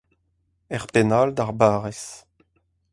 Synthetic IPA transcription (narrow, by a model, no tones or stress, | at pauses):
ɛʁpenald̪aʁbaːʁɛs